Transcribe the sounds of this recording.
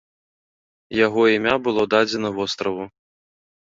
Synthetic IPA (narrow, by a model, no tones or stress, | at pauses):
jaɣɔimʲabɨlˠɔd̪ad͡zʲɛnɐvɔst̪ɾɐvu